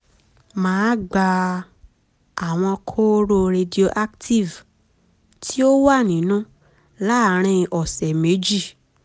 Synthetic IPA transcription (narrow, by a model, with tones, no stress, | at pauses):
mãː˨˦ɡ͡ba˧ | a˨w̃ɔ̃˧kʰo˦ɾo˧ɾe˧di˨o˧ʔa˦kti˦˨v | tʰi˦o˦wa˦˨nĩ˨˦nũ˦ | la˦ɾ̃ĩ˧ʔɔ˨sɛ˨me˨˦d͡ʒi˦˨